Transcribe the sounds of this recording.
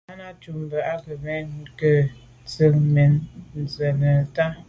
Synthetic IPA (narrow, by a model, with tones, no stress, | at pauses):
a˦na˦t͡ʃu˨m˨bə˨ʔa˦kə˨mɛ˦kə˨ | t͡sə˨k̚mɛ˨nn̩˨zə˨nə˨ta˦